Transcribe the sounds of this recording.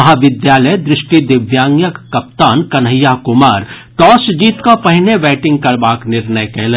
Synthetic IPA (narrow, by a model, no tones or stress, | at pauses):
ɐɦaʋɪd̪jaːləjd̪ɾɪʃʈid̪ɪʋjaːŋjəkːɐp̚t̪aːnkɐnɦəjakʊmaːɾt̪ɔːsd͡ʒiːt̪kapɐɦɪneʋɛːʈɪ̃ŋɡ̚kɐɾbaːknɪɾnəjkeːl